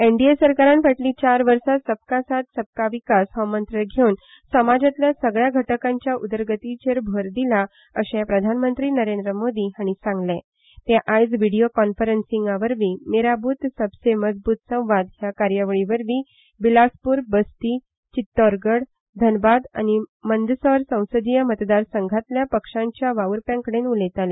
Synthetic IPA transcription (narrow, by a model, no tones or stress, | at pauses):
eɳɖiesəɾkaɾãnfəʈlĩt͡ɕaɾʋəɾsasəb̚kasat̪səb̚kaʋikasɦɔmənt̪ɾəɾɡʱeun | səmad͡ʑat̪lasəɡɭjaɡʱəʈəkãɲt͡ɕjaʔud̪əɾɡət̪it͡ɕeɾbʱoɾd̪ila | əɕapɾəd̪ʱanmənt̪ɾiːnəɾend̪ɾəmod̪iaɽ̃isãŋɡlɛ̃ | t̪jaʔajd͡zʋiɽijokɔnfəɾənsiŋɡaʋəɾʋiːneɾabuːt̪səbseməd͡zbuːt̪sə̃w̃ʋad̪ɦjakaɾjəʋəɭiʋəɾʋiː | bilaspuːɾbəst̪i | t͡ɕit̪ːɔɾɡəɽ | d̪ʱənbad̪a̰nimənd̪əsəɾsə̃w̃səd̪ijəmət̪d̪aɾsəŋɡʱat̪ljapəkʂãɲt͡ɕjaʋaʋuɾpjãŋkəɽenulet̪alɛ